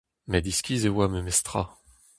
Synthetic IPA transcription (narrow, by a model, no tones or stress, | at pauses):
mɛd̪iskʲizewaməmɛst̪χa̰